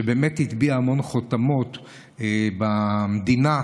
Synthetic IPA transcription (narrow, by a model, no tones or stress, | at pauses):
ebe̞ːmet̪hit̪biaːmo̞nχotamo̞t̪ | ebamd̪ina